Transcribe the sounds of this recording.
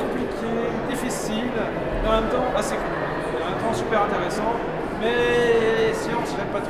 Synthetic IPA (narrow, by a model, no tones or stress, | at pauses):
kɔ̃plikʲʰe | d̪ifisibl | eɑ̃mɛ̃mt̪ɑ̃ʔaseku | ɛ̃t̪ɑ̃sypɛʁɛ̃t̪eʁesɑ̃ | mɛ | eseɑ̃sʒɛt̪̚pat̪